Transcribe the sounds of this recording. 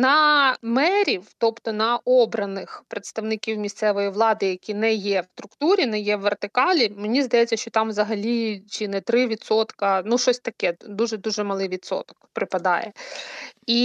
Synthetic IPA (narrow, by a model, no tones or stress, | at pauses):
nɐmɛɾʲiwt̪ɔpt̪ɔnɐʔɔbɾɐnɪxpɾet̪st̪ɐwnɪkʲiwmʲist̪sɛʋɔjiʋlˠɑd̪ɪjɐkʲinɛjɛwst̪ɾʊkt̪uɾʲinɛjɛwːɐrt̪ɪkɑlʲimenʲizd̪ɐjɛtt͡sʲːɐʃt͡ʃɔt̪ɑmʋzɐɦɐlʲit͡ʃinɛt̪ɾɪʋʲit̪sɔt̪kɐnuʃɔsʲt̪ɐkɛd̪uʒɛd̪uʒɛmɐlˠɪʋʲit̪sɔ̰t̪ɔkpɾɪpɐd̪ɑ̰jɛ̰ | i